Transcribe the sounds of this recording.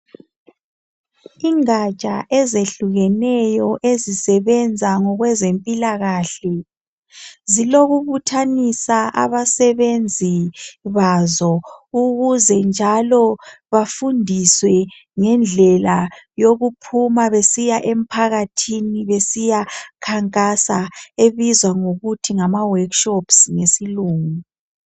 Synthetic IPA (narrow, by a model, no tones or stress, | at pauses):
iŋat͡ʃʼaʔɛzeɬuɣɛnɛjɔʔezisɛβɛnd͡zʱaŋɔɣwɛzempʼilaɣaɬɛ | ziloɣuβutʰanisaʔa̰βasɛβend͡zʱiβazɔuɣuzɛnd͡ʒʱalɔ | βafundʱiswɛ | ŋɛnd͡ɮʱɛlajoɣupʰumaβesijaʔem̩pʰaɣatʰiniβesijakʰaŋkʼasaeβizwaŋoɣutʰiŋamawakʃɔpsŋesiluːŋu